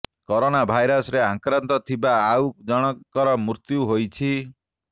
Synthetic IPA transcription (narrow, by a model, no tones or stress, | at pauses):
koɾonabʱajɾɔsɾeãkɾɔnt̪ɔt̪ʰibaːwd͡ʒɔɽ̃ɔkɔɾɔmuɾt̪juɦojt͡ʃʰi